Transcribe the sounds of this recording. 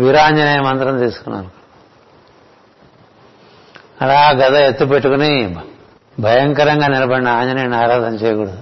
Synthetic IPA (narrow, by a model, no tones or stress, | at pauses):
ʋiɾaːɲd͡ʒɐnɐjɐmɐnt̪ɾɐnt̪iːsu̥kunːa̰ːɾu | ɐlaːɡɐt̪ɐet̪ːupeʈːukuni | bʱɐjɐŋkɐɾɐŋɡaːnilɐbɐɽinɐaːɲd͡ʒɐnɐjɐnaːɾaːd̪ʱɐnɐt͡ʃeːjɐkuːɽɐd̪u